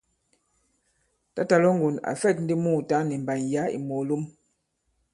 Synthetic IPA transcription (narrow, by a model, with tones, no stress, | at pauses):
ta˦ta˨lɔ˦ŋ˦ɡu˨na̰˨fɛ˦˨t̚n̩˦di˦muː˦˨ta˦ni˨m˨ba˨nja˨˦ḭ˨mo˨lu˦m